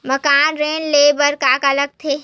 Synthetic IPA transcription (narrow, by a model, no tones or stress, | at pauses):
məkaːnɾẽːnleːbəɾkaːkɐləɡ̚t̪ʰeː